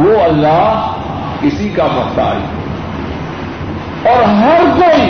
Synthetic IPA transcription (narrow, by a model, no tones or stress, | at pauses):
oɐlːaː | kɪsikapɐxt̪a̰ːḭ | ɔːɾɦɐɾkoːi